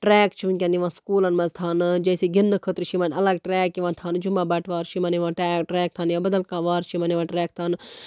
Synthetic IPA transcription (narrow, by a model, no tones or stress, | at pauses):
ʈɾɛːkt͡ʃʰiʋunkʲɐniʋãːskuːlɐnmɐzt̪ʰaːnɨd͡ʒɐːseːɡinːɨkʰət̪ɾt͡ʃʰimɐnɐlɐɡʈɾɛːkːiʋãːnt̪ʰaːnd͡ʒumaːbɐʈʰʋaːɾt͡ʃʰimɐniʋãːʈɛːʈɾɛːk̚t̪ʰaːnjãːbɐd̪ɐlkãːʋaːɾt͡ʃʰimɐniʋãːʈɾɛːk̚t̪ʰaːn